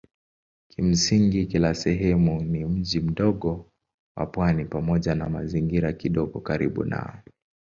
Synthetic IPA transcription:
kʰim̩siŋɡikilasɛɦɛmunim̩ʄim̩ɗɔɠɔ | wa̰pwanipamɔʄanamaziŋɡiɾakiɗɔɡɔkaɾḭɓṵna̰ɔ

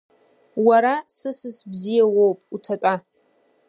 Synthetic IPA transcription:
waɾasɨsɨsbzijawowpʼutʰatʼa

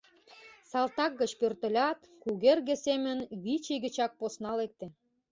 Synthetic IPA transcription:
sɑlt̪ɑk̚ːə̆t͡ɕpørt̪ə̆lʲɑt̪ | kuɣerɣĕsemə̆nβit͡ɕiɣə̆t͡ɕɑk̚posnɑlek̚t̪ĕ

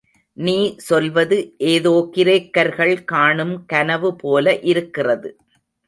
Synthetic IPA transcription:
niːsɔlʋɐðɯʔeːðoːkɪɾeːkːɐɾɣɐɭkaːɳɯmkɐnɐʋɯpoːlɐʔɪɾɯkːɪrɐðɯ

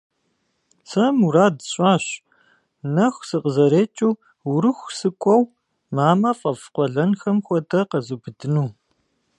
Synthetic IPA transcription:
t͡sʰɐmuɾaːdɕʼaːɕ | nɐxʷsɨqəzɐɾeːt͡ʃʼuː | wɾɨxʷsɨkʷʼɔw | maːmɐfʼɐfqʷɔɮɐnxɐmxʷɔtʰɐqɐzubɨdɨnuː

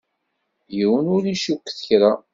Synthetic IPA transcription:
jiwənʊɾiʃukːθə̥çɾa

